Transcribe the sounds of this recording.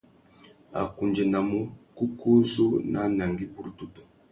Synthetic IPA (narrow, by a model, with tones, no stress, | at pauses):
a̰˨ku˨nd͡ʒɛ˨na˨mu˦ku˦ku˦zu˦na˦na˨ŋɡi˦pu˦ɾtu˦tu˨